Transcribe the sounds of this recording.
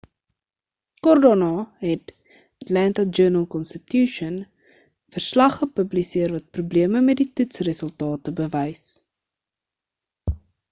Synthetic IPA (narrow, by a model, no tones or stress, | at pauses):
kɔrdonɑɦɛt | ətlæntəd͡ʒøːnəlˠkɔnstətjuʃən | fərslɐχəpəblisiərvɐt̚prubliəməmɛt̚ditutsrəsəlˠtɑːtəbəvəjs